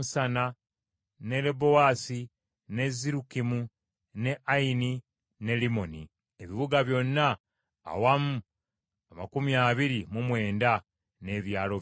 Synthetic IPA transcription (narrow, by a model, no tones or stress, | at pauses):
usana | ne̞lebo̞waːsi | ne̞ziɾukimu | ne̞ʔaini | ne̞limo̞nḭ | eβiβuɡaβjo̞nːa̰ː | wamu | amakumiaβiɾimumwe̞ːnda | ne̞ːβjaːlo̞